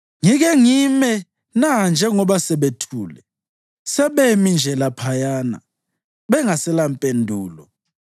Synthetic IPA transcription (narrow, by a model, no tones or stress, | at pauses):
ŋiɣ̬ɛŋimɛ | nand͡ʒʱɛŋɔɓasɛɓetʰuːlɛ | sɛɓemind͡ʒʱɛlapʰajaːna̰ | ɓɛŋasɛlampʼendʱuːlɔ